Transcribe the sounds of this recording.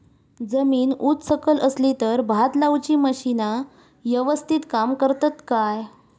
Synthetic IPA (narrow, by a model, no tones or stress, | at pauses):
d͡zəmiːnut͡ssəkələslit̪əɾbʱat̪lawt͡ɕiːməɕina | ʋəʋəst̪ʰit̪kamkəɾt̪at̪kaj